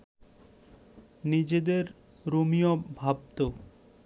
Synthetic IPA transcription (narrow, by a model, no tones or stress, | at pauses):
nid͡ʑed̪eɾ | ɾomijobʱab̚t̪o